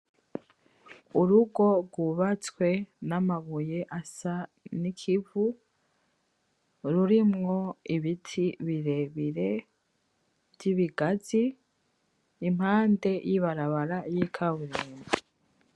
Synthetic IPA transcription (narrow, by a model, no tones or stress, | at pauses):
uɾuɡo̞ɡwuβat͡swe̞namaβujeʔasa | nikʰivu | ɾuɾimŋo̞iβitʰiβiɾe̞βiɾe̞ | vjiβiɡazi | m̥haːnde̞jiβaɾaβaɾajikʰaβuɾeːni